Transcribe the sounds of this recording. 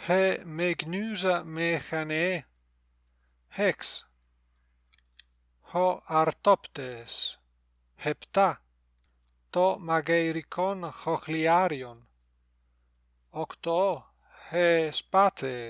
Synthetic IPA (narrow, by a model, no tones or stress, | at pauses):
hemeɡnyzamexane | heks | hoaɾt̪opt̪es | hept̪a | t̪omaɡejɾikʰonxoxliaɾjon | okt̪o | hespat̪ʰe